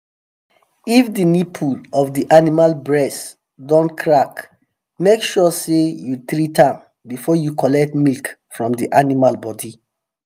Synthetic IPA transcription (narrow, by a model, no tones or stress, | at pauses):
ifdinipʰulɔfdiʔanimalbɹɛs | dɔ̃nkʰɹak | mekʃɔsejuθɹitãm | bifɔjukɔlɛk̚tmilkfɹɔ̃mdiʔanimalbɔdi